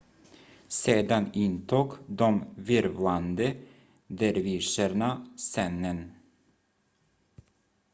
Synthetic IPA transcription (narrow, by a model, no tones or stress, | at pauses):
seːd̪anɪnt̪ʰuːɡd̪ɔmvɪɾvland̪ə | d̪æɾviːʂəɾɳasɛnːən